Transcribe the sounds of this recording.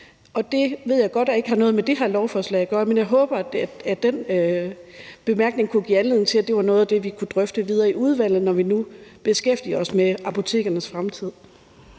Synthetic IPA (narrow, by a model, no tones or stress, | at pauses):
ɒ̽d̥e̝ʋe̝ð̞̰ˠjɑɪɡ̥ɒ̽d̥æe̝ɡ̥əhɑ̈nɔ̽ːð̞̩ˠmed̥e̝ɦæɐlɒʊfɒːslɛ̰ɪ̰æɡ̥ɶɐmenjɑ̈ɪɦɔ̽ːb̥ɐæd̥enø | b̥e̝mæɐɡ̥ne̝ŋkʰuɡ̥ḭːænle̝ð̰ˠn̩t͡sʰe̝læd̥e̝ʋɑ̈nɔ̽ːðˠæd̥e̝ʋikʰud̥ʁœfd̥əʋið̞ˠɐːiuð̞ˠʋæl̰ð̩ˠnɒʋinub̥e̝sɡ̥efd̥iɐɒ̽smeɑ̈pʰo̝t͡sʰe̝̰ːɡ̥ɐnəsfʁamt͡sʰið̞̰ˠ